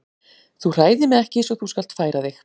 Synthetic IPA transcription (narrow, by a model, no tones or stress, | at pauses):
θur̥aːjðɪmɛðɛhcɪsɔθuskal̥t̪faːjɾaðɪx